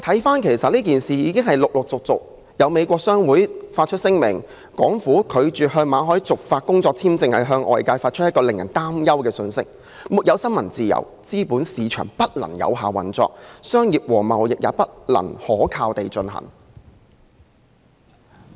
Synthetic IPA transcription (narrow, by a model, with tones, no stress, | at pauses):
t̪ʰɐ˨˥jfaː˥nkʰe˨˩jsɐ˨t̚liː˥k̬iː˨nsiː˨jiː˨˧kɪ˥ŋɦɐ˨˩jlʊ˨k̚lʊ˨k̚t͡sʊ˨k̚t͡sʊ˨k̚ | jɐ˨˧wme˨˧jkʷɔː˧k̚sœː˥ŋwuː˨˥jfaː˧t̚t͡ʃʰɵ˥t̚sɪ˥ŋmɪ̰˨˩ŋ | kɔː˨˥ŋfuː˨˥kʰɵ˨˧ɥt͡ʃyː˨ɦœː˧ŋmaː˨˥ɦɔː˨˥jt͡sʊ˨k̚faː˧t̚kʊ˥ŋt͡sɔː˧k̚t͡sʰiː˥mt͡sɪ˧ŋhɐ˨jɦœː˧ŋʔɔ̰ː˨jkaː˧jfaː˧t̚t͡ʃʰt̚jɐ˥kːɔː˧lɪ˨˩ŋjɐ̰˨˩nt̪aː˥mjɐ˥wkɛː˧sɵ˧nsɪ̰˥k̚ | mu˨t̚jɐ˨˧wsɐ˥nmɐ˨˩nt͡siː˨jɐ̰˨˩wt͡siː˥puː˨˥nsiː˨˧t͡ʃʰœ̰ː˨˩ŋpɐ˥t̚lɐ̰˨˩ŋjɐ̰˨˧wɦaː˨wɐ̰˨˩nt͡sɔ̰ː˧k̚sœː˥ŋjiː˨p̚wɔː˨˩mɐ˨wjɪ˨k̚jaː˨˧pɐ˥t̚lɐ̰˨˩ŋhɔː˨˥kʰaː˧wt̪e˨jt͡ʃɵ˧nhɐ̰˨˩ŋ